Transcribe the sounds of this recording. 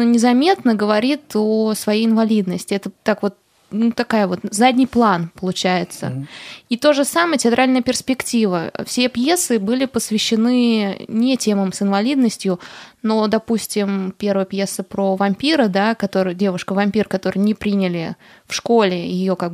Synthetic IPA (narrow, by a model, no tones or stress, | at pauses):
onʲɪzɐmʲe̞t̪nəɡəvɐɾʲit̪osvɐjejɪnvɐlʲid̪nəsʲtʲɪɛt̪ət̪ːakvo̞t̪̚ | nut̪ɐkajəvo̞t̪zadʲnʲijplˠanpəlˠʊt͡ɕæjɪt̪sə̰it̪oʐɨsaməjətʲɪɐt̪ɾʔalʲnəjəpʲɪrspʲɪktʲivə̰fsʲepje̞sɨbɨlʲɪpəsvʲɪɕːɪnɨnʲɪtʲe̞məmsɨnvɐlʲid̪nəsʲtʲjʊno̞d̪ɐpusʲtʲɪmpʲe̞ɾvəjəpje̞sːəpɾovɐmʲpʲiɾəd̪akɐt̪o̞ɾɨjdʲe̞vʊʂkəvɐmʲpʲirkɐt̪o̞ɾɨjnʲɪpɾʲinʲɪlʲɪ | fʂko̞lʲɪjɪjo̞kaɡ̚bɨɨ